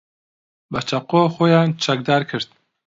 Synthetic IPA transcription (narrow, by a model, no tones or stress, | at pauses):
bɐt͡ʃʰɐqoːxojɑːnt͡ʃʰɐk̚d̪ɑːɾkʰɨɾd̪̚